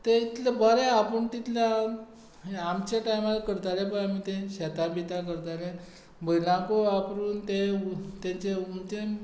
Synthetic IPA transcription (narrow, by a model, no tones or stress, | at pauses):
t̪eit̪labaɾeapəɳt̪it̪la | amt͡ɕaʈajmalkəɾt̪alɛbaamit̪ẽɕɛt̪abit̪akəɾt̪ale | bəjlãkoapɾuːnt̪et̪ẽt͡ɕeunt͡ɕe